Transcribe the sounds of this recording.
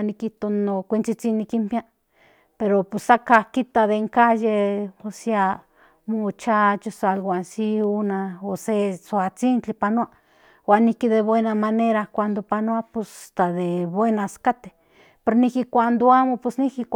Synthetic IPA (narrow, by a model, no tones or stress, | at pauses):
nikiht̪onokʷint͡sit͡sinːikimpja | peɾoposakakit̪aðeŋkajeosia | mot͡ʃat͡ʃosalwansiunaosesoat͡sint͡ɬipanoa | wanihkiðeβwenamaneɾakʷand̪opanoaposat̪aðeβwenaskat̪e̥ | peɾnikikʷand̪oamopwesniki